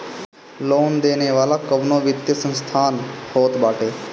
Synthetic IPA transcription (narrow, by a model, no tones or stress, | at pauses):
loːnd̪eːneːʋaːlaːkəʋnoːʋɪt̪jəsə̃nst̪ʰaːnhoːt̪baːʈʰeː